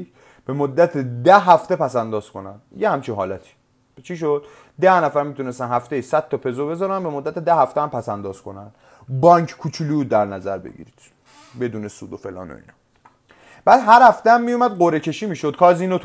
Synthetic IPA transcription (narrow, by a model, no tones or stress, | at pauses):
b̥e̞mod̪ːæt̪ʰed̪æɦæft̪e̞pæsænd̪ɒːz̥kʰo̞næ̰nd̪̥jehæmt͡ʃʰinɦɒ̰ːlæt̪ʰi̥ | t͡ʃʰiʃ̬o̞d̪̥ | d̪æhnæfæɾmiːt̪une̞st̪ænhæft̪ejisæd̪̚t̪ːɒpʰe̞zobe̞zɒːɾænbe̞mod̪ːæt̪ʰed̪æhæft̪eæmpʰæsænd̪ɒːz̥kʰo̞̰nænd̪̥ | bɒːŋkʰkʰut͡ʃʰulid̪æɾnæzæɾbḛɡḭɾid̪̥ | be̞d̪uːnesṵːd̪ofḛlɒ̰ːno̰ḭːnɒ̰ | b̥æːd̪ɦæɾhæft̪eæmːijumæd̪ɢoɾe̞cʰe̞ʃiːmiːʃod̪̥̚kʰɒːziːnot̪ʰ